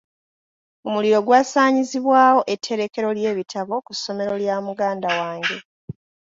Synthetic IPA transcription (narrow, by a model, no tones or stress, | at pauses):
omuliɾo̞ɡwaːsaːɲiziβwaːwo̞ʔe̞tʰːe̞ɾe̞ke̞ɾo̞lje̞ːβitʰaβo̞kusːo̞me̞ɾo̞ljaːmuɡaːndawaːŋɡe̞